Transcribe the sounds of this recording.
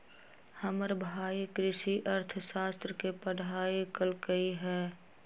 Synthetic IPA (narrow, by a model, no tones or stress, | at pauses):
həməɾbʱaːikɾɪʃiʔəɾt̪ʰəsaːst̪ɾəkepəɽ̤aːikəlkəiɦɛː